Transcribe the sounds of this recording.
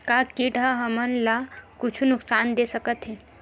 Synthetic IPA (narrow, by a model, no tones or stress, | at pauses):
kakiʈaɦəmənlakʊt͡ʃʰunʊksaːnd̪esəkət̪ɦɛː